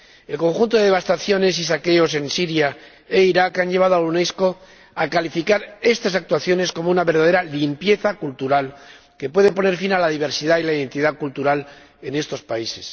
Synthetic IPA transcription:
e̞lko̞ŋxunt̪o̞ðe̞ast̪aθjo̞ne̞s̬isake̞o̞s̬e̞nsiɾja | e̞iɾakanʎe̞β̞að̞oaunesko̞ | akalifikaɾe̞st̪asak̚t̪waθjo̞ne̞sko̞mounaβe̞ɾðað̞eɾalimpje̞θakult̪uɾal | ke̞pwe̞ðe̞po̞ne̞ɾfinalaðiβ̞e̞ɾsiðailaiðe̞nt̪iðakult̪uɾal | e̞ne̞st̪o̞spaise̞s

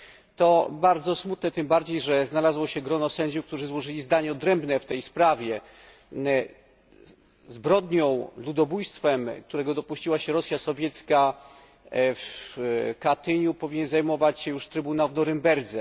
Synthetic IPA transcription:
t̪ɔbaɾd̪zɔsmut̪nɛt̪ɘmbaɾd͡ʑejʐɛznalazwɔɕɛɡɾɔnɔsɛɲd͡ʑukt̪uʐɘzwɔʐɘlʲizd̪aɲɛɔd̪ɾɛmbnɛft̪ɛjspɾavʲjɛ | zbɾɔd̪ɲɔ̃w̃lud̪ɔbujst̪fɛmk̚t̪uɾɛɡɔd̪ɔpuɕt͡ɕiwaɕɛɾɔsʲjasɔvʲjɛt̪ska | f | kat̪ɘɲupɔvʲiɲɛnzajmɔvat͡ɕɕɛjuʂt̪ɾɘbunawvnɔɾɘmbɛɾd̪zɛ

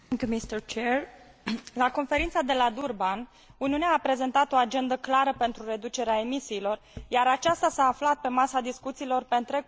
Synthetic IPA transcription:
ŋkʲjumist̪əɾt͡ʃeɾ | lako̞nfe̞ɾint̪sad̪e̞lad̪urban | uniuneaːpɾe̞ze̞nt̪at̪o̞ad͡ʒe̞nd̪əklaɾəpe̞nt̪ɾuɾe̞d̪ut͡ʃe̞ɾeae̞misiːlo̞rjaɾat͡ʃast̪asaːflat̪̚pe̞masad̪iskut̪siːlo̞rpeɨnt̪ɾe̞

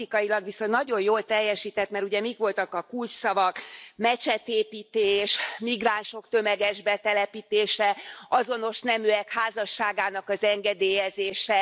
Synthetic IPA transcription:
ikɒjilɒɡʋiso̞nːɒɟo̞jjoːlt̪ɛjːɛʃiːt̪ɛt̪mɛɾuɟɛmikʋo̞lt̪ɒkɒkult͡ʃsɒvɒkmɛt͡ʃɛt̪eːpiːt̪eːʃmiɡraːnʃo̞kt̪ø̞mɛɡɛʒbɛt̪ɛlɛpiːt̪eːʃɛʔɒzo̞no̞ʃnɛmyɛkhaːzɒʃːaːɡaːnɒkɒzɛŋɡɛd̪eːjɛzeːʃɛ

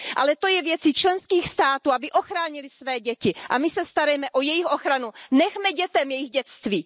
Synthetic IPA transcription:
ʔalɛt̪o̞jɛvjɛt͡sit͡ʃlɛnskiːxst̪aːt̪uːabɪʔo̞xɾaːɲɪlɪsvɛːɟɛcɪʔa̰mɪsɛst̪aɾajɛmɛʔo̞jɛjɪxʔo̞xɾanunɛxmɛɟɛt̪ɛmjɛjɪɣɟɛt͡st̪viː

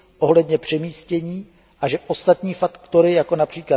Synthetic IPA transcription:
ʔo̞ɦlɛd̪ɲɛpr̝̥ɛmiːscɛɲiː | ʔaʒɛʔo̞st̪at̪ɲiːfakkt̪o̞ɾɪjako̞napr̥iːkla

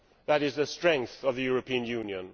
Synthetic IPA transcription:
ðəɾɪzðəstɹ̥ɛ̃ŋk̚θəvðɨjʊɹəpʰĩə̃njʉ̃njə̃n

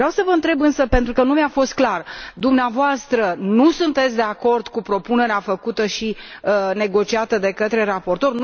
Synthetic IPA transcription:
vɾeawsəvəɨnt̪ɾe̞bɨnsəpe̞nt̪ɾukənumafo̞st̪̚klard̪umneavoast̪ɾənusunt̪e̞t̪sʲd̪e̞ako̞rd̪kupɾo̞pune̞ɾeafəkut̪əʃine̞ɡo̞t͡ʃiat̪əd̪e̞kət̪ɾe̞ɾapo̞rt̪o̞r

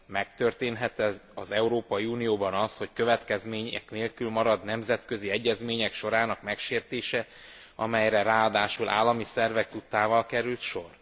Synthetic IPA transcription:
mɛkt̪ø̞rt̪eːnɦɛt̪ɛɒzɛuɾoːpɒjiuːnijoːbɒnɒsho̞ckøvɛt̪kɛzmeːɲɛ̰kneːlkylmɒɾɒd̪nɛmzɛt̪kø̞ziɛɟːɛzmeːɲɛkʃo̞ɾaːnɒkmɛkʃeːrt̪eːʃɛ | ɒmɛjɾɛraːɔd̪aːʃulʔa̰ːlːɒmisɛrvɛkt̪ut̪aːvɒlkɛɾylt̪ʃo̞r

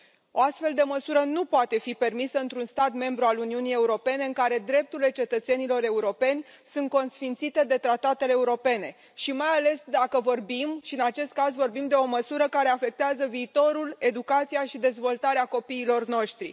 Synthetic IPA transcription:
o̞ast̪fe̞ld̪e̞məsuɾənupoat̪e̞fipe̞rmisəɨnt̪ɾunst̪at̪me̞mbɾualuniunije̞uɾo̞pe̞ne̞ɨŋkaɾe̞d̪ɾe̞p̚t̪uile̞t͡ʃe̞t̪ət̪se̞nilo̞ɾe̞uɾo̞pe̞nʲ | sunt̪̚ko̞nsfint̪sit̪e̞d̪e̞t̪ɾat̪at̪e̞leːuɾo̞pe̞ne̞ | ʃimajale̞sd̪akəvo̞rbimʃiɨnat͡ʃe̞st̪̚kazvo̞rbimd̪e̞o̞məsuɾəkaɾe̞afe̞k̚t̪eazəviːt̪o̞ɾule̞d̪ukat̪sijaʃid̪e̞zvo̞lt̪aɾeako̞piːlo̞rno̞ʃt̪ɾḭ

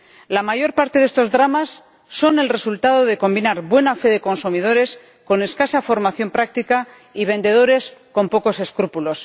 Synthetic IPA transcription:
lamaʝo̞ɾpaɾt̪eðe̞st̪o̞zðɾamasː | o̞ne̞lre̞sult̪aðo̞ðe̞ko̞mbinaɾβwe̞nafe̞ðe̞ko̞nsumið̞o̞ɾe̞s | ko̞ne̞skasafo̞ɾmaθjo̞mpɾak̚t̪ika | iβ̞e̞nd̪e̞ð̞o̞ɾe̞sko̞mpo̞ko̞se̞skɾupulo̞s

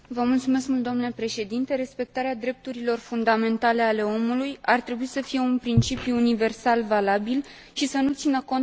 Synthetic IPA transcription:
vəmult̪sume̞skmult̪oamnlepɾe̞ʃe̞d̪int̪e̞ɾe̞spe̞k̚t̪aɾead̪ɾe̞p̚t̪uɾilo̞rfund̪ame̞nt̪ale̞ale̞o̞mulujart̪ɾe̞buisəfije̞unpɾint͡ʃipjuːnive̞rsalvalabil | ʃisənut̪sinəko̞n

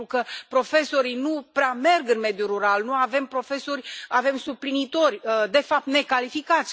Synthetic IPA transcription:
ukəpɾo̞fe̞so̞ɾijnupɾeame̞rɡɨnme̞d̪juɾuɾalnuave̞mpɾo̞fe̞sorʲave̞msuplinit̪o̞rʲəd̪e̞fap̚t̪ne̞kalifikat̪sʲ

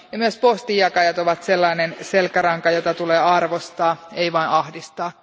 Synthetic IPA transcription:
jɑmyøspost̪ijɑkɑjɑt̪oʋɑt̪selːɑinenselkæɾɑŋkɑjot̪ɑt̪uleːɑrʋost̪ɑːeiʋɑinʔɑhdist̪ɑː

